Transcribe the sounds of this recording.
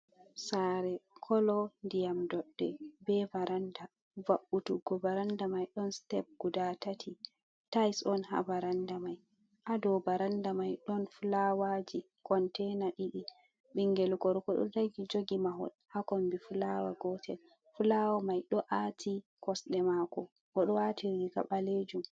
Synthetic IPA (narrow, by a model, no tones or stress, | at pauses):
saɾɛkʰɔlɔndijamdɔɗːɛbɛvaɾanda | vaɓːutuɡɔbaɾandamajɗɔnstɛp̚ɡ̥udatatʰi | tajsɔnha̰vaɾandamaj | ʔadɔbaɾandamajɗɔnfulawad͡ʒi | kɔntɛnaɗiɗi | ɓiŋɡɛlkɔɾkɔɗɔ̰daɡid͡ʒoɡimaɦɔ̰lhakɔmbifulawa̰ɡɔtʰɛ̰l | fulawamajɗɔʔatʰikɔsɗɛmakɔ | ɡɔɗɔwatiɾika̰ɓaled͡ʒum